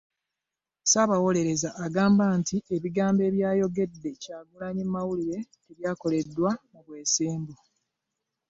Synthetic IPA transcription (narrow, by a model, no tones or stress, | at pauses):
saβawo̞le̞ɾe̞zaʔːɡaːmbaːntʰiʔe̞βiɡaːmbe̞ːβjaːjo̞ɡe̞dːe̞caːɡulaɲimːawuliɾe̞ː | βjaːko̞le̞dːwaoβwe̞ːseːmbu